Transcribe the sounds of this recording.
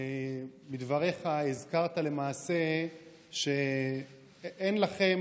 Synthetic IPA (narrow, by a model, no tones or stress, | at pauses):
bid̪vaʁe̞χaezkaʁt̪ale̞maːse̞ | ʃe̞ | ʔenlaχe̞m